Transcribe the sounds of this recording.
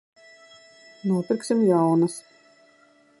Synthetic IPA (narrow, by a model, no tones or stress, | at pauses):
nuɔpiɾksimjawnɐs